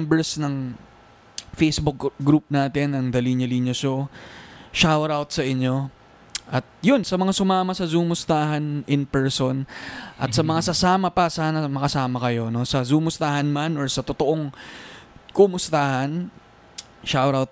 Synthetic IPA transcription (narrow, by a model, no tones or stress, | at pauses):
mbɛɹsnɐŋ | fejsbʊk̚ɡɾup̚naːt̪ɪnɐŋd̪ɐliɲɐliɲjoʃo | ʃawɾawt̪̚sɐʔɪɲjo̞ | ʔɐt̪̚jʊnsɐmɐŋasʊmaːmɐsɐzumʊst̪aːɦɐnʔɪnpɛɹsonʔɐ̰t̪̚sɐmɐŋasɐsaːmɐpɐsaːnɐmɐkɐsaːmɐkɐjo̞no̞sɐzuːmʊst̪aːhɐnmanoɹsɐt̪ot̪o̞ʔo̞ŋ | kʊmʊst̪aːhɐn | ʃawɾawt̪̚